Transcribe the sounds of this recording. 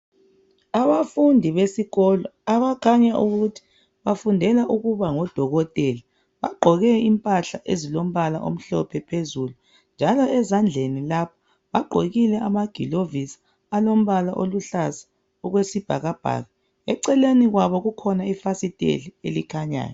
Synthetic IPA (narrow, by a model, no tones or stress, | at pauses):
aβafundʱiβesiɣɔlɔaβakʰaɲaʔuɣutʰi̥ | βafundʱɛlaʔuɣuβaŋɔd̥ʱɔɣɔtʼɛla | βaɡ͡ǃʱɔɣɛimpʼaɬaʔezilom̩βala̰ʔo̰m̩ɬɔpʰɛpʰezulu | nd͡ʒʱalɔɛzand͡ɮʱenilapʰḁ | βaɡ͡ǃʱoɣilɛʔamaɡ̥ʱilovisḁː | lom̩βala̰ʔoluɬasḁ | ɔɣwesib̥ʱaɣab̥ʱa̰ːɣa | ɛǀɛleniɣwaβɔɣukʰɔnaifasitʼḛlielikʰaɲa̰ːjɔ